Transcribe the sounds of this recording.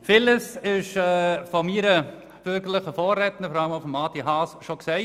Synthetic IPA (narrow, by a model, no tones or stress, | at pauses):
fɪləsɪʃɛfɔmiːɾə | b̥øɾɡəɾləχəfɔːrɛtnəfɔɾɑləmofɔmɑːt̪iɦɑsʃoksɛɪ